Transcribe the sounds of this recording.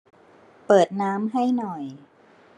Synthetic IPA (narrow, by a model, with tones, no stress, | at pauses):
pɤː˨˩t̪̚naː˦˥mɦa˥˩jnɔ˨˩j